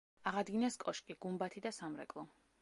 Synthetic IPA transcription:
aʁad̪ɡinaskʼɔʃkʼiɡ̥umbat̪ʰid̪asamɾɛ̰kʼlˠɔ

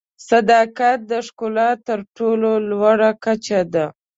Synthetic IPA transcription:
sad̪ɑkat̪̚d̪əʂkolɑt̪ːəɾʈololwaɽakat͡ʃad̪a

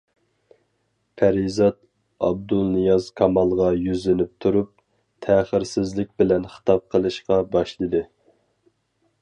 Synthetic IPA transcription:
pʰæɾizɑd̪ | ɑ̰b̚d̪ulˠnɨjɑzkʰɑmɑlˠʁɑjyzlɪnɪp̚t̪ʰuɾup̚ | t̪ʰæχəɾsɪzlɪk̚ʲbɪlɛnχə̥t̪ʰɑp̚qʰəlˠɨʃqɑbɑʃlˠɨd̪ɨ

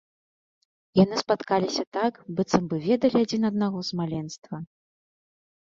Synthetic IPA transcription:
janɨspat̪kalʲisʲɐt̪akbɨt̪sɐmbɨvʲɛd̪ɐlʲiad͡zʲinɐd̪̚naɣɔzmalʲɛnst̪vɐ

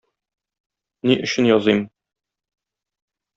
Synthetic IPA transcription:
niʔɵ̆ɕɘnjɒzɤjm

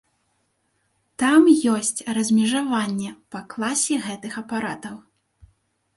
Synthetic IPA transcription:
t̪amjɔsʲt͡sʲrɐzʲmʲɛʐavanʲːɛpɐklˠasʲɛɣɛt̪ɨxɐpaɾat̪ɐw

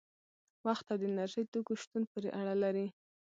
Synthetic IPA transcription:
waxt̪ːad̪ənaɾʃəjt̪okoʃt̪unpəɾeʔaɽalaɾi

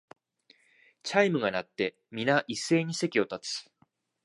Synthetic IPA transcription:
t͡ɕaimɯ̟ɡanat̪ːe̞ | mʲinaʔisːe̞ːɲ̟ise̞kʲio̞t̪at͡sɨ̥

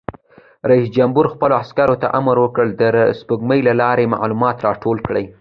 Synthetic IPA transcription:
ɾaisd͡ʒambuɾxpəloaskaɾot̪a̰ʔamɾwəkəɭd̪əspəɡməjlalɑɾema̰ʕlumɑt̪ɾɑʈʰolkɽəj

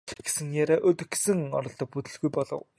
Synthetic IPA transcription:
ɡ̥e̥sɘ̆ŋjaɾaʔɵt̪ɵ̆xɡe̥sɘ̆ŋɔ̰ɾɞ̆ɮt̪ɞ̆k̚put̪ɵ̆ɮɣujpɔɮɞ̰̆w

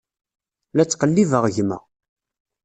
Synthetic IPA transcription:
læt͡sːqəlːivəʁʝmæ̰

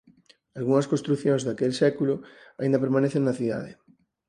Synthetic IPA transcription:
alɣuŋɐskõnst̪ɾuθjõŋzðakelsɛkulʊaĩnd̪ɐpeɾmaneθeŋnɐθiða̰ðɪ̰

